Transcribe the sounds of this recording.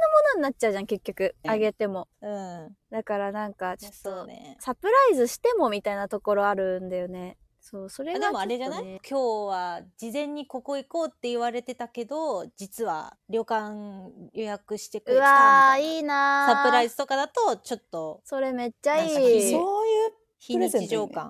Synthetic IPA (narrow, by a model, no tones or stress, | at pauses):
nomo̞no̞ɲ̟inat͡ɕt͡ɕaɯ̟ʑãŋke̞kʲːo̞kɯ̟aɡe̞t̪e̞mo̞ɯ̟̃ɴd̪akaɾanãŋkat͡ɕot̪ːoḛsapɯ̟ɾaizɨɕi̥t̪e̞mo̞mʲit̪ainat̪o̞ko̞ɾo̞aɾɯ̟nd̪ajo̞ne̞ | so̞ːso̞ɾeɡ̪emoaɾed͡ʑanaikʲo̞ːβad͡ʑizẽ̞ɲ̟ːiko̞ko̞iko̞ːt̪ːe̞iβaɾe̞t̪e̞t̪ake̞d̪o̞d͡ʑit͡sɨβa̰ɾʲjo̞ːkãŋjo̞jakɯ̟ɕi̥t̪e̞kaiːnasaɯ̟ɾaizɨt̪o̞kad̪at̪o̞t͡ɕo̞t̪ːo̞so̞ɾe̞me̞t͡ɕːaiːoːjɯː | çiɲiiʑoːkkã̰ŋ